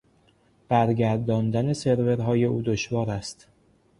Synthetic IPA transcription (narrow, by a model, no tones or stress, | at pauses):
b̥æɾɟæɾd̪ɒːnd̪æne̞se̞ɾve̞ɾɦɒːje̞ʔuːd̪oʃvɒːɾæst̪